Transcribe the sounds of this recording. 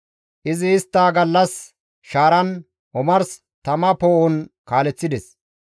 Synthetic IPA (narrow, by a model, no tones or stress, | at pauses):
ʔɪzɪːst̪ːaːɡɐlːɐs | ʃaːɾɐn | ɔmɐɾs | t̪ɐmɐpoːʔʊnkaːlɛt͡sːɪd̪ɛs